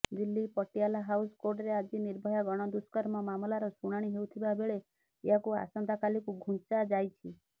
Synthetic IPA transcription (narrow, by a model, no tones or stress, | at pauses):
d̪ilːipɔʈialaɦawskoɾɖɾead͡ʒiniɾbʱɔjɔɡɔɽ̃ɔd̪uskɔɾmɔmamlaɾɔsuɽ̃aɽ̃iɦeut̪ʰibabʱeɭe | eɦakua̰sɔnd̪ʱakalikuɡʱũnt͡ʃad͡ʒajt͡ʃʰi